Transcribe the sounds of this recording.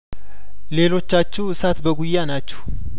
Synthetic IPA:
le̞lo̞t͡ʃːat͡ʃːɛɨsat̪bəɡujːanat͡ʃːɛ̥h

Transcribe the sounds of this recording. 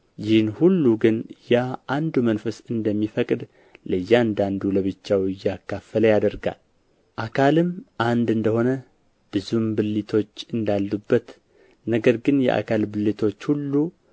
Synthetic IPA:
jɪhnhulːuɡɨnjaʔand̪umənfəsɨnd̪əmːifəkʼd̪ | ləjːand̪and̪uləβɨt͡ʃːawɨjːakːafːələjad̪əɾɡa̰l | ʔakʰalɨmʔand̪ɨnd̪əho̞nə | b̥ɨzumbɨlːit̪ʰo̞t͡ʃːɨnd̪alːubːət̪ | nəɡəɾɡɨnjɛ̰ʔa̰kʰalbɨlːit̪ʰo̞t͡ʃːhulːu

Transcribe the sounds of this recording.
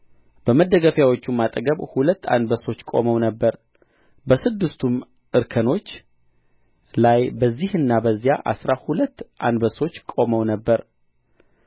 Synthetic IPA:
b̥əməd̪ːəɡəfjawot͡ʃːumat̪ʼəɡəβhulət̪ːa̰nd̪bəso̞t͡ʃːkʼo̞̰məwnəbːəɾ | bəsɨd̪ːɨst̪ʰum | ʔɨɾkʰəno̞t͡ʃː | lajbəzːihɨnːabəzːijaʔa̰sɾahulət̪ːʔand̪bəso̞t͡ʃːkʼo̞məwnəbːəɾ

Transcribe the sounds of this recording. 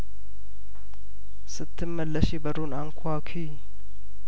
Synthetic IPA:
sɨt̪ʰːɨmːəlːəʃebəɾunaŋkʰakʰi

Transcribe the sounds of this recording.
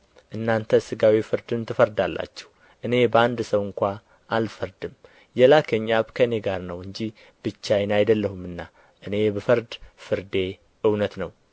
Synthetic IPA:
ʔɨnːant̪ʰəsɨɡawifɨɾd̪ɨnt̪ʰɨfəɾd̪alːa̰t͡ʃːɛ̥hu | ʔɨne̞bəand̪səwɨŋkʷa | ʔalfəɾd̪ɨm | jɛlakʰəɲːaβkʰəɨne̞ɡaɾnəwɨɲd͡ʒi | bɨt͡ʃːajɛnajd̪əlːəhumːɨnːa | ʔɨne̞bəfɨɾd̪fɨɾd̪e̞ | ʔɨwnət̪nəw

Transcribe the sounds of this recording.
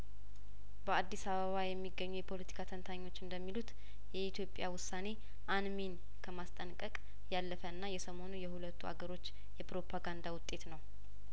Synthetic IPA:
bəad̪ːisaβəβajɛmːiɡːəɲːujɛpʰo̞lət̪ʰi̥kʰat̪ʰənt̪ʰaɲːo̞t͡ʃːɨnd̪əmːilut̪ | jɛit̪ʰjo̞pʼːjawʊsːane̞ | ʔanmin | kʰəmast̪ʼənkʼəkʼ | jalːəfəɨnːajɛsəmo̞nujɛhulət̪ːua̰ɡəɾo̞t͡ʃː | jɛpɾo̞pʰaɡand̪awʊt̪ʼːe̞t̪nəw

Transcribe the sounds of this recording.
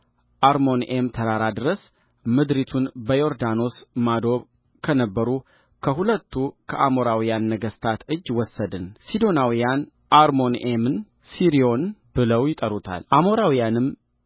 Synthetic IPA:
ʔaɾmo̞nʔemt̪ʰəɾaɾad̪ɨɾəs | mɨd̪ɾit̪ʰunbəjo̞ɾd̪ano̞smad̪o̞β | kʰənəbːəɾu | kʰəɦulət̪ʰːukʰəʔamo̞ɾawijanːəɡəst̪ʰat̪ɨd͡ʒːwɔsːəd̪ɨnsid̪o̞nawijan | ʔaɾmo̞nemɨn | siɾio̞nb̥ɨləwjɪt̪ʼəɾut̪ʰa̰lʔamo̞ɾawijanɨm

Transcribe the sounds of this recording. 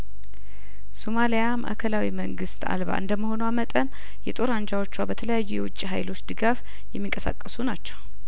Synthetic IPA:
somalijama̰ʔa̰kʰəlawiməŋɡɨst̪ʰa̰lβa̰ʔɨ̰nd̪əmːəho̞nuwamət̪ʼən | jɛt̪ʼo̞ɾand͡ʒawot͡ʃːwabət̪ʰələjajːujɛ̰wʊt͡ʃʼːiɦa̰jlo̞t͡ʃːd̪ɨɡaf | jɛmːiŋkʼəsa̰kʼːəsunat͡ʃːɛ̥w

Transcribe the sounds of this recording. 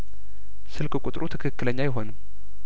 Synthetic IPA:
sɨlkʰʼɨkʷʼut̪ʼɾʔut̪ʰɨ̥kʰɨkːɨləɲːajɪɦo̞nɨm

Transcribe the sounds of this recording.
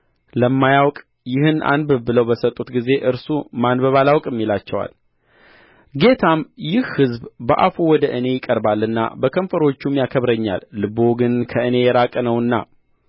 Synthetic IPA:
ləmːajawkʼ | jɪhɨnʔa̰nbbɨləwbəsət̪ʼːut̪ɡize̞ʔɨɾsumanbəβalawkʼɨmːilat͡ʃːɛwa̰l | ɡe̞t̪ʰamjɪhhɨzbbəʔa̰fuwɔd̪əʔɨne̞jɪkʼəɾbalːɨnːa̰bəkʰəɱfəɾo̞t͡ʃːumjakʰəβɾəɲːa̰lːɨbo̞ɡɨnkʰəɨne̞jɛɾakʼənəwɨnːa̰

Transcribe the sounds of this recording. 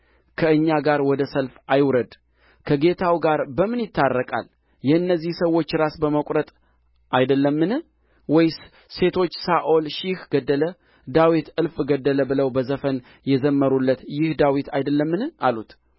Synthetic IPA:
kʰəɨɲːaɡaɾwɔd̪əsəlfajwɾəd̪ | kʰəɡe̞t̪ʰawɡaɾbəmɨnjɪt̪ʰːarːəkʼa̰l | jɛɨnːəzːihsəwːo̞t͡ʃːɾasbəməkʷʼɾət̪ʼ | ʔajd̪əlːəmːɨnɨ | wɔj | se̞t̪ʰo̞t͡ʃːsaʔo̞lʃɪhɡəd̪ːələ | d̪awit̪ɨlfɡəd̪ːələbɨləwbəzəfən | jɛzəmːəɾulːət̪jɪhd̪awit̪ʰajd̪əlːəmːɨnɨalut̪

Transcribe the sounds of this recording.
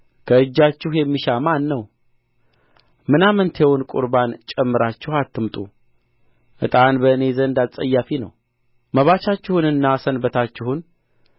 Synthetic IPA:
kʰəɨd͡ʒːat͡ʃːɪhjɛmːiʃamanːəw | mɨnamənt̪ʰewnkʼṵɾbant͡ʃʼɛmːɨɾat͡ʃːɪhat̪ːɨmt̪ʼu | ʔɨ̰t̪ʼanbəne̞zənd̪alsʼəjːafinə̰w | məβat͡ʃat͡ʃːɪhunɨnːasənbət̪ʰat͡ʃːɪhun

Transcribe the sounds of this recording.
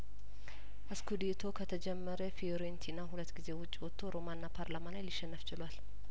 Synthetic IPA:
ʔɐskud̪et̪ʰo̞kʰət̪ʰəd͡ʒɛmːəɾefioɾent̪ʰinːaɦʊlət̪ːɡɪze̞wʊt͡ʃʼːɪwɔt̪ʰːoɾo̞manːapʰaɾlaːmalajlɪʃɛnːəft͡ʃɪlwal

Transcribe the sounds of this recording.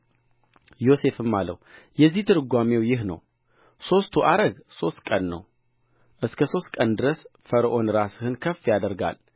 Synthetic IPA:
jo̞se̞fɨmːalːə̰w | jɛzːiht̪ʰɨɾɨɡʷamewjɪɦnə̰w | so̞st̪ʰuʔaɾəɡso̞st̪kʼənːə̰w | ʔɨskʰəso̞st̪kʼənd̪ɨɾəsfəɾʔo̞nɾasɨhɨnkʰəfːijad̪əɾɡa̰l

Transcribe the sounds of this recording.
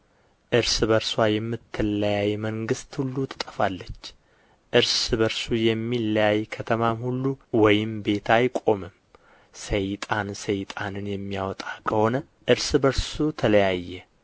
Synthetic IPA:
ʔɨɾsbəɾswajɛmːɨt̪ʰːɨlːəjajməŋɡɨst̪hulːut̪ʰɨ̥t̪ʼəfalːət͡ʃː | ʔɨɾsbəɾsujɛmːilːəjajkʰət̪ʰəmamhulːuwɔjɪmbe̞t̪ʰajkʼo̞mɨm | səjt̪ʼansəjt̪ʼanɨnjɛmːijawɔt̪ʼakʰəho̞nə | ʔɨɾsbəɾsut̪ʰələjajːɛ

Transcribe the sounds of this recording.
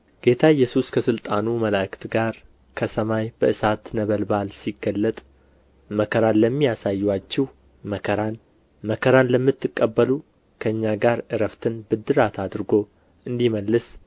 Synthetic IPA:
ɡ̥e̞t̪ʰaɪjːɛsuskʰəsɨlt̪ʼanuməlakʰt̪ɡaɾ | kʰəsəmajbəʔɨsat̪nəβəlbalsiɡːəlːət̪ʼ | məkʰəɾanləmːijasajːwat͡ʃːɛh | məkʰəɾan | məkʰəɾanləmːɨt̪ːɨkʼːəbːəlu | kʰəɨɲːaɡaɾʔɨɾəft̪ʰɨnbɨd̪ɨɾat̪ʰad̪ɾɡo̞ | ʔɨnd̪iməlːɨs

